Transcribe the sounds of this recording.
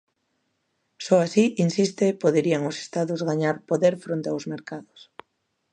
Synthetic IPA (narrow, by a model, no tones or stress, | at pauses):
sɔasiʔinsist̪epoðeɾiaŋose̥st̪aðʊzɣaɲaɾpoðeɾfɾont̪eawzmeɾkaðʊs